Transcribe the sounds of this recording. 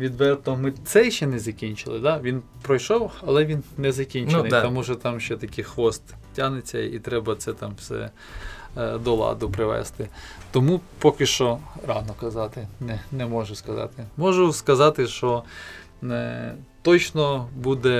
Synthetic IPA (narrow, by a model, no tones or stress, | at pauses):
ʋʲid̪ʋɛrt̪nɔmɪt̪sɛjʃt͡ʃːɛnɛzɐkʲinʲt͡ʃɪlˠɪd̪ɑʋʲin | pɾɔjʃɔwɐlˠɛʋʲinnɛzɐkʲinʲt͡ʃnɪt̪ɔmuʒɔt̪ɑmʃt͡ʃɛt̪ɐkʲixʋɔst̪ | tʲanet͡sʲːɐit̪ɾɛbɐt̪sɛt̪ɑmwsɛ̰ | d̪ɔlˠɑ̰d̪ʊpɾɪʋɛ̰st̪ɪt̪ɔmupɔkɪʃt͡ʃɔɾɑnɔkɐzɑt̪ɪnɛnɛmɔʒʊskɐzɑ̰t̪ɪmɔʒʊskɐzɑt̪ɪʃɔ | nt̪ɔt͡ʃnɔbud̪ɛ